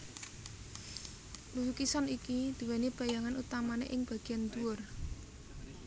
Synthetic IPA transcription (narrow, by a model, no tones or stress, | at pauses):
luɦukisɔnikid̪̥i̤wɛnib̥a̤jaŋanut̪amanḛʔɪŋb̥ä̤ɡ̥i̤jand̪uʊr